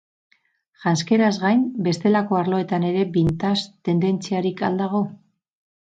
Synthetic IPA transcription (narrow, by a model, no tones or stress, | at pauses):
ʝanske̞ɾazɣajmbe̞st̪e̞lako̞aɾlo̞e̞t̪ane̞ɾe̞bint̪ast̪e̞nd̪e̞nt͡siaɾika̰ld̪aɣ̞o̞